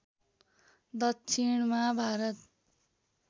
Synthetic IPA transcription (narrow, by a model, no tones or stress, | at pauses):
d̪ʌksʰiɳmabʱaɾʌt̪